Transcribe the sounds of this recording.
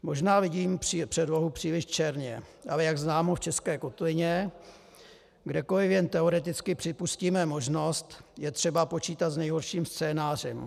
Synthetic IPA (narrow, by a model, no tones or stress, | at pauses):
mo̞ʒnaːvɪɟiːmpripr̥ɛdvoɦupr̥iːlɪʃt͡ʃɛɾɲɛʔalɛjaɡznaːmoft͡ʃɛskɛːkot̪vɪɲɛ | ɡdɛko̞lɪfjɛnt̪ɛo̞ɾɛt̪ɪt͡skɪpr̥ɪpusciːmɛmo̞ʒno̞st̪jɛt̪r̝̥ɛbapo̞t͡ʃiːt̪at̪znɛjɦoɾʃiːmst͡sɛːnaːr̝ɛm